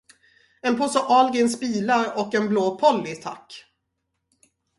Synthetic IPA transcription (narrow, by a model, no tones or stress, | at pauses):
ɛnpʰɔsɔʔɑːlɡɪnsbiːlaɾɔkːɛnbloːpʰɔlːɪt̪ʰa̰kː